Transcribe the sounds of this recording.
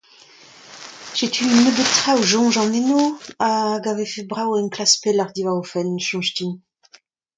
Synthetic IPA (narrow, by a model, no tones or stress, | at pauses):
ʒ̥et̪ʰyːnːəbet̪χawʒɔ̃ːʒɑ̃nenoaɡavefebʁawɛnklaspelaʁd̪ivaʁofɛnʃɑ̃ʃt̪in